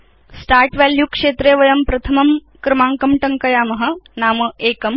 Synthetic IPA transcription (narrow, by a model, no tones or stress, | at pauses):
sʈaːɾʈʋaːljukʂeːt̪ɾeːʋɐjɐmpɾɐt̪ʰɐmɐm | kɾɐmaːŋkɐmʈɐŋkɐjaːmɐɦɐ̆naːmɐʔeːkɐm